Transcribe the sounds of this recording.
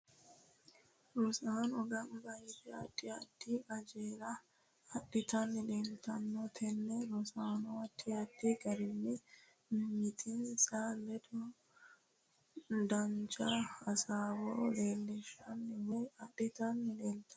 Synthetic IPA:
ɾɔsaːnɔɡɐnɡɐjɪd̪ɛɐdːɪɐd̪ːiɐd͡ʒeːɾɐ | ɐɗɪt̪ɐnːɪleːlt̪ɐnːɔt̪ʰɛnːɛɾɔsaːnɔɐt̪ːiɐt̪ːiɡɐɾɪnːɪ | mɪt̪ʰɪnsalɛd̪ | d̪ɐnt͡ʃʼaɐsaːwo̰ːle̞ːlːɛʃɐnːwɛjɐɗɪt̪ɐnːɪleːlt̪ʰɐ

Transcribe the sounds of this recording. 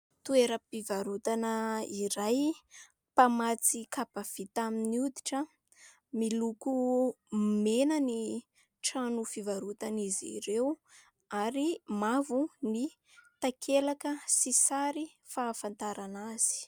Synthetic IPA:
t̪ueɾapivaɾut̪anəiɾaj | pamat͡sikapav̥it̪aminiud̪iʈ͡ʂə | miluku | menəni | ʈ͡ʂanufivaɾut̪anizḭɾew | aɾimavuni | t̪akʰelakəsisaɾi | faːfant̪aɾanaz̥i̥

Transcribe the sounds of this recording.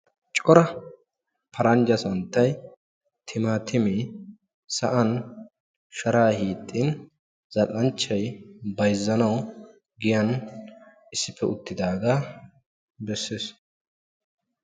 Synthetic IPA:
t͡ʃʼɔɾɐ | pʰɐɾɐnd͡ʒɐsɐnt̪ːɐj | t̪ʰɪmaːt̪ʰɪmi | sɐʔɐn | ʃɐɾaːhiːt̪ʼːin | z̥ɐtʼɐnt͡ʃːɐjbɐjzːɐnɐw | ɡɪjɐn | ɪsːɪpːɛʊt̪ːɪd̪aːɡaː | bɛsːeːs

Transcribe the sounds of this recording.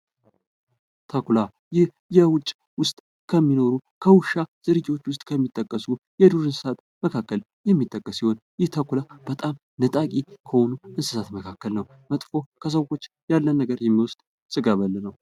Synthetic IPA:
t̪ʰakula | jɪh | jɛwʊt͡ʃʼ | wʊst̪ʼ | kʰəmːino̞ɾukʰəwʊʃːaz̥ɨɾɨd͡ʒɪwo̞t͡ʃːwʊs̬t̪ʼkʰəmːit̪ʼːəkʼːəsu | jɛd̪uɾɨnsɨ̥sat̪ | məkʰakːəl | jɛmːit̪ʼːəkʼːəsiho̞njɪht̪ʰakulab̥ət̪ʼam | nɨt̪ʼakʼikʰəhonuɨnsɨsat̪məkʰakːəlnəw | mət̪ʼfo̞kʰəs̬əwo̞t͡ʃː | jalːənːəɡəɾjɛmːiwʊst̪ʼ | sʼɨɡaβəlːənəw

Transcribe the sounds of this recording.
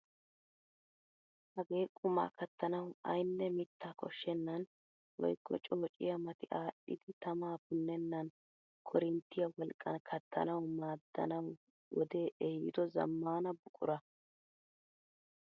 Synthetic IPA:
hɐɡe̞ːkʼʊma̰ːkɐt̪ːɐnɐwɐ̰jnːɛmɪt̪ʰːaːkʰɔʃːɛnːɐn | wɔ̰jkːɔt͡ʃʼɔːt͡ʃʼɪ̰jɐmɐt̪ɪʔaːɗːɪ̰d̪ɪt̪ɐmaːbʊnːɛnːɐn | kʰɔɾɪnt̪ːɪjɐwɔlkʼːɐnkʰɐt̪ːɐ̰nɐwmaːd̪ːɐ̰nɐw | wɔd̪e̞ːʔɛjɪ̰d̪ɔzɐ̰mːaːnɐbʊkʼʊ̰ɾɐ

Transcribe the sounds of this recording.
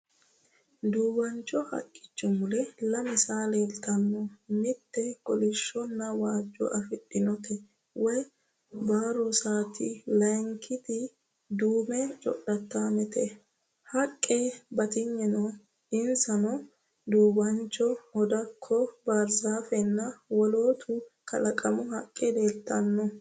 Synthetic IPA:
d̪uːbɐnt͡ʃːɔhɐ̰kʼːɪ̥t͡ʃːʊmʊlɛlɐmɪsaːleːlt̪ɐnːɔmɪt̪ːɛkʼɔlɪʃːɔnːɐwaːd͡ʒːɔ̰ʔɐfɪɗɪnɔt̪ɛ | wɔj | baːɾɔsaːt̪ɪlɐjŋkʰːɪt̪ɪ | d̪uːmɛt͡ʃʼɔ̰ɗːɐt̪ːaːmɛt̪ɛ | hɐkʼːebɐt̪ɪɲːɛnɔ | ɪnsɐnɔ | d̪uːbɐnt͡ʃːɔɔd̪ɐkʰːɔbaɾzaːfɛnːɐwɔloːt̪ʰʊkɐlɐkʼɐmʊhɐkʼːɛd̪eːlt̪ːɐnːɔ

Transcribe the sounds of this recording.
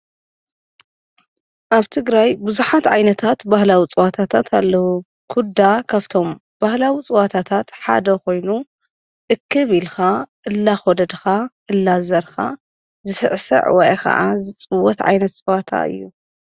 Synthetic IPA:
ʔaβt̪ʰɨɡɾajbɨzuħat̪ʕajnɐt̪ʰat̪bahlawit͡sʼɨwat̪ʰat̪ʰat̪ʰalːɐwu | kʰud̪akʰaβt̪ʰo̞m | b̥ahlawit͡sʼɨwat̪ʰat̪ʰat̪ħa̰d̪ɐko̞jnu | ʔɨkːɨβilxaʔɨlːaxɔd̪ɐd̪xaʔɨlːazɐɾxa̰ | zɨsɨ̰ʕsɨ̰ʕwɔj̰kɐ̰ʔa̰zɨt͡sʼɨwɔt̪ʕa̰jnɐt̪t͡sʼɨwat̪ʰa̰ʔɨ̰jːu

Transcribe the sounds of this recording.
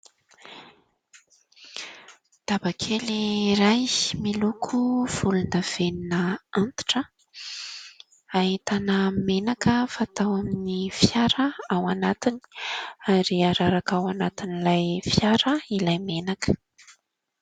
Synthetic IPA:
d̪̥abakʰeliɾajmilukʰuv̥ulunəv̥eninəant̪i̥ʈ͡ʂə | aɦit̪anəmenakəfat̪awaminifjaɾəawanat̪ini̥aɾiaɾaɾakawanat̪inilajfjaɾəilajmenakə̥

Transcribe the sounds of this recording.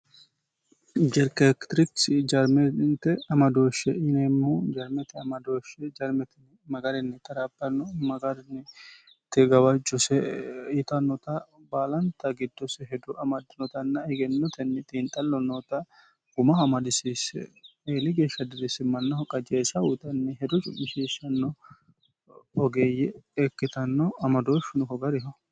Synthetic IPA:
d͡ʒɛɾkɛkt̪ɾɪksd͡ʒɐɾmɛnt̪ɛɐmɐd̪oːʃɛɪnemːoːd͡ʒɐɾmɛt̪ɛɐmɐd̪oːʃɛd͡ʒɐɾmɛt̪ɪ | mɐɡɐɾɛnːɪt̪ɐɾɐbːɐnɔmɐɡɐɾnɪ | t̪ːɛɡɐwɐd͡ʒːʊsɛɪt̪ɐnɔt̪ɐbaːlɐnt̪ɐɡɪd̪ːɔsɛɦɛd̪ɔʔɐmɐd̪ɪnɔt̪ɐnːɐɪɡɛnːɔt̪ɛnːɛt̪ʼiːnt̪ʼɐlːɔnːɔt̪ɐ | ɡʊmɐɐmɐd̪ɪsiseːlɪɡeːʃːɐd̪ɪɾɪsɪmɐnːɐhɔkʼːɐd͡ʒeːsɐʊt̪ʼɐnːɛɦɛd̪ɔt͡ʃʼʊ̰mːɪʃiːʃɐnːɔ | ɔɡeːjːɛɛkːɪt̪ɐnːɔɐmɐd̪oʃɪnɔkɔɡɐɾɪɦɔ

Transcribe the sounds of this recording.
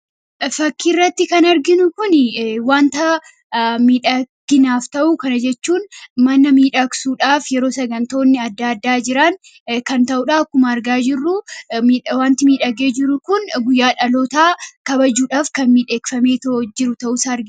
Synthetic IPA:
fɐkːiːrːɐt̪ːɪkɐnɐɾɡɪnʊkʊnɪwaːnt̪ɐ | miːᶑɐɡ̥ɪnaːft̪ɐʔuːkɐnɐd͡ʒɛt͡ʃːuːnmɐnɐmiːᶑɐksuːᶑaːfjɛɾo̞ːsɐɡɐnt̪o̞ːnːɪɐd̪ːad̪ːaːd͡ʒɪɾɐn | kɐnt̪ɐʔʊːᶑaːkːʊmɐːɾɡaːd͡ʒɪrːʊmiwaːnt̪ɪmiːᶑɐɡeːd͡ʒɪɾːʊkʊnɡʊjːaːᶑɐlo̞ːt̪aːkɐbɐd͡ʒuːᶑaːfkɐnmiːᶑe̞ːkfɐmeːt̪od͡ʒɪɾʊt̪ɐʔʊsaːɐɾɡɪ

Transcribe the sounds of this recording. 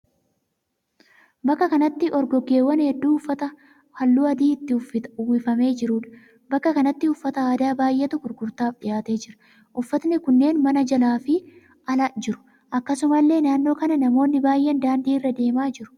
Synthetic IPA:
bɐkːɐkɐnɐt̪ːɪʔɔɾɡɔɡe̞ːwːɐnhɛd̪ːuːʊfːɐt̪ɐ | hɐlːuːɐd̪iːɪt̪ːɪwɪfɐme̞ːd͡ʒɪɾuːᶑɐ̥ | bɐkːɐkɐnɐt̪ːɪʊfːɐt̪ɐaːd̪aːbaːjʔeːt̪ʊɡʊɾɡʊɾt̪aːfᶑɪjaːt̪e̞ːd͡ʒɪɾɐ̥ | ʔʊfːɐt̪nɪkʊnːe̞ːnmɐnɐd͡ʒɐlaːfɪ | ɐlɐd͡ʒɪɾʊ̥ | ʔɐkːɐsʊmɐlːe̞ːnaːnːo̞ːkɐnɐnɐmo̞ːnːɪbaːjʔɛnd̪aːnd̪iːrːɐd̪e̞ːmaːd͡ʒɪɾʊ̥

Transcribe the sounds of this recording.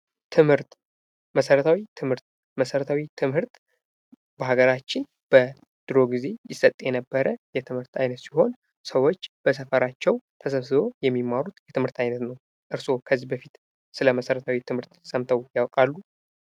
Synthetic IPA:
t̪ʰɨmhɨɾt̪ | məsəɾət̪ʰawit̪ʰɨmhɨɾt̪ | məsəɾət̪ʰawit̪ʰɨmhɨɾt̪ | bəɦaɡəɾat͡ʃːɪn | b̥ə | d̪̥ɨɾo̞ɡize̞jɪsət̪ʼjɛnəbːəɾəjɛt̪ʰɨmhɨɾt̪ʰajnət̪siho̞n | səwo̞t͡ʃːb̥əs̬əfəɾat͡ʃːɛwt̪ʰəs̬əβsɨbo̞jɛmːimːaɾut̪jɛt̪ʰɨmhɨɾt̪ʰajnət̪nəw | ʔɨɾso̞kʰəzːibəfit̪ | sɨləməsəɾət̪ʰawit̪ʰɨmhɨɾt̪səmt̪ʰəwjawkʼalːu

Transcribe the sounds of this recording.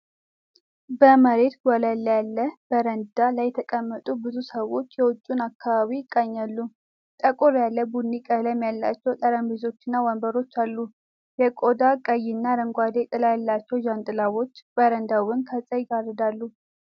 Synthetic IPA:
bəməɾe̞t̪ɡʷɔləlːjalːəb̥əɾənd̪alajːɛt̪ʰəkʼəmːət̪ʼubɨzusəwo̞t͡ʃːjɛwʊt͡ʃʼːunakːaβaβiɪkʼːəɲːalːu | t̪ʼəkʼoɾjalːəbunːikʼələmjalːa̰t͡ʃːɛwt̪ʼəɾəmbizo̞t͡ʃːɪnːawɔmbəɾo̞t͡ʃːalːu | jɛkʼod̪akʼəjːɪnːaɾəŋɡʷad̪et̪ʼɨlajalːat͡ʃːɛwd͡ʒant̪ʼɨlawo̞t͡ʃːb̥əɾənd̪awɨnkʰət͡sʼəjɡarəd̪alːu

